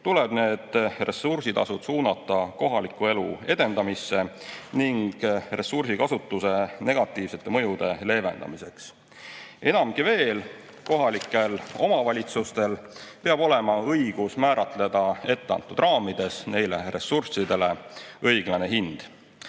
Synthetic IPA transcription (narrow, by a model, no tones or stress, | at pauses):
t̪ule̞b̥ne̞ːd̪̥re̞sursit̪ɑ̰sud̪̥suːnɑt̪ˑːɑko̞ɦɑlikːˑue̞lue̞d̪e̞nd̪ɑmisːe̞niŋɡ̥re̞sursikɑsut̪ːˑuse̞ne̞ɡ̥ɑt̪ːˑiːvse̞t̪ːˑe̞mɤ̞jud̪̥e̞le̞ːve̞̰nd̪ɑ̰mise̞ks | e̞nɑmɡive̞ːl | ko̞ɦɑlikːˑe̞lo̞mɑvɑlʲit̪sust̪e̞lpe̞ɑbo̞le̞mɑɤjɡ̥usmæːɾɑt̪ˑle̞d̪̥ɑe̞t̪ːˑeɑ̰nt̪ːˑud̪̥rʔɑːmid̪̥e̞sne̞jle̞re̞sursid̪e̞le̞ɤjɡ̥lɑne̞ɦind̪̥